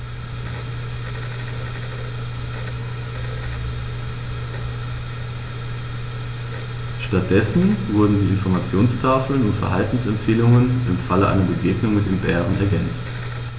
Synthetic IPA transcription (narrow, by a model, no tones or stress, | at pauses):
ʃtat̚d̥ɛsn̩vʊɐdn̩diːɪnfɔɐmat͡sjoːnstʰaːfl̩nʊntfɛɐɦaltn̩sɛmpfeːlʊŋənʔɪmfaləʔa̰ɪnɐbəɡeːɡnʊŋmɪt̚d̥eːnbɛːʁənɛ̰ɐɡɛnt͡st